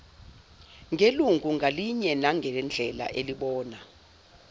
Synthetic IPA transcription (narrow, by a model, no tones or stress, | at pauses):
ŋʱeluŋɡʱuŋʱaliɲɛnaŋʱɛnd͡ɮʱɛla̰ʔeliɓɔːna